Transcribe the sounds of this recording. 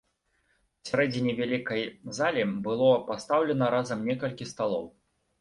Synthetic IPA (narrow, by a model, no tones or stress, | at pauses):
sʲaɾɛd͡zʲinʲivʲalʲikɐjzalʲibɨlˠɔpast̪awlʲɛnɐɾazɐmnʲɛkɐlʲkʲist̪alˠɔ̰w